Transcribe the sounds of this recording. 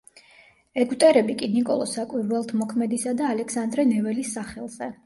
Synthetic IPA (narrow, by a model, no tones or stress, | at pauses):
ɛɡwt̪ʼɛɾɛbikʼinikʼɔlˠɔsakʼwiɾwɛlˠt̪ʰmɔkʰmɛd̪isad̪aːlɛkʰsand̪ɾɛnɛvɛlisːaχɛlˠz̥ɛ